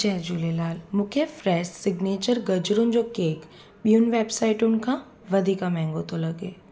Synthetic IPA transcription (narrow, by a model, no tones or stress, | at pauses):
d͡ʒɛːd͡ʒuːlelaːlmʊkʰefɾɛːʃsɪɡneːt͡ʃəɾɡɐd͡ʒɾõnd͡ʒokeːk | ɓjuːnʋeːbsaːɪʈʊnkã | ʋɐd̪ʱikamɛ̃ːŋɡot̪olɐɡeː